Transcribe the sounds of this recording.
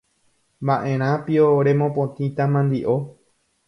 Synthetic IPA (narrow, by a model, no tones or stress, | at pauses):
baʔẽ̞ɾ̃ãpioɾe̞mõpõt̪ĩt̪amãnd̪iʔo̞